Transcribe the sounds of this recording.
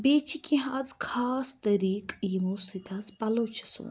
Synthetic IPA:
beːt͡ʃʰikʲĩɦazkʰaːst̪ɐɾiːkjimũsɨt̪ɐzpɐloːt͡ʃʰɐ̥sṵːn

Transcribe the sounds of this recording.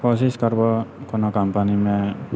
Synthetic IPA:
pʰɔsiskaɾbɔkɔnɔkampanime

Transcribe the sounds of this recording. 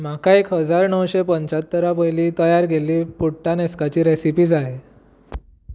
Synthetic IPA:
m̤akaekɦəd͡zaɾnəwɕepəɲt͡ɕat̪ːəɾapəjliːt̪əjaɾɡʱeliːpuʈːaneskat͡ɕiːɾesipiːd͡zae

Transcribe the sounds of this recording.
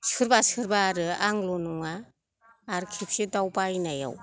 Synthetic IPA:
sɯɾbasɯɾbaːɾɯaŋlɔnɔŋaː | ɾkʰip̚sidawbajnaja̰w

